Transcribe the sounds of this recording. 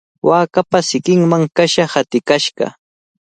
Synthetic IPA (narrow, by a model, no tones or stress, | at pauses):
waːkapasɪkɪŋmaŋkaʃahat̪ɪkaʃɢɑ̰